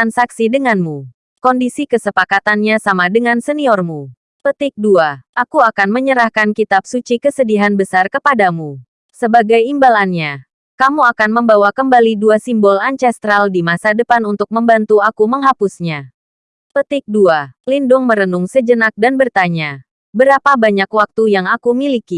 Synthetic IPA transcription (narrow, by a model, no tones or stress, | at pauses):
t̪ansaksidəŋanmu | kɔndisikəsəpakat̪anɲasamadəŋansəniɔrmu | pət̪ɪk̚duaʔakuakanməɲəɾahkankit̪ap̚sut͡ʃikəsədiɦanbəsarkəpadamu | səbaɡajimbalanɲa | kamuakanməmbawakəmbaliduasimbɔlaɲt͡ʃɛst̪ɾaldimasadəpanunt̪ʊk̚məmbant̪uakuməŋɦapusɲa | pət̪ɪk̚dualindʊŋməɾənʊŋsəd͡ʒənak̚danbərt̪aɲa | bəɾapabaɲakwak̚t̪ujaŋakumiliki